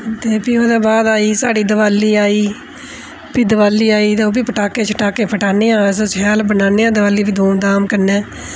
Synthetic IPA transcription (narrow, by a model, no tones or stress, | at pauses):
t̪eːpiːoːd̪eːbaːd̪aːiːsaːɖiːd̪əʋaːlːiːaːiː | piːd̪əʋaːlːiːaːiːt̪eoːbiːpəʈaːkeːt͡ʃʰəʈaːkeːpʰəʈaːneːãːssɛːlbənaːneːãːd̪əʋaːlːiːbiːd̪oːnd̪aːmkəɾneː